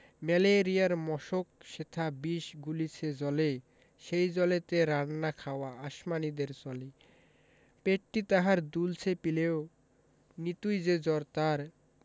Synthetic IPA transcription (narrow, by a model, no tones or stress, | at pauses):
mɛleɾijaɾmɔʃok̚ʃet̪ʰabiʃɡulit͡ɕʰed͡ʑɔle | ʃejd͡ʑɔlet̪eɾanːakʰaoaaʃmanid̪eɾt͡ɕɔli | peʈːit̪aɦaɾd̪ult͡ɕʰepileo | nit̪ujd͡ʑed͡ʑɔɾt̪aɾ